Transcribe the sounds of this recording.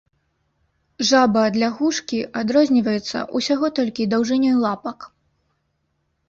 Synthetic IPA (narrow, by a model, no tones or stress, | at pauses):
ʐabɐd̪lʲaɣuʂkʲiʔad̪ɾɔzʲnʲivɐjɛt̪sːɐ̰ʔusʲaɣɔt̪ɔlʲkʲid̪awʐɨnʲɔjlˠapɐk